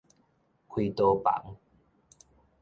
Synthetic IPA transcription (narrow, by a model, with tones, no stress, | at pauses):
kʰwiː˧t̪o˧pa̰˨˦ŋ